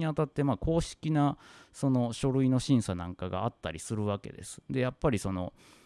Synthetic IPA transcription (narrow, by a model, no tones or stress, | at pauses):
iat̪at̪ːe̞maːkʰo̞ːɕi̥kʲinaso̞no̞ɕo̞ɾɯ̟ino̞ɕĩɰ̃sanãŋkaɡa̰ːt̪ːaɾʲisɨɾɯ̟βake̞̰d̪e̞̰sɨ̥d̪e̞japːaɾʲiso̞no̞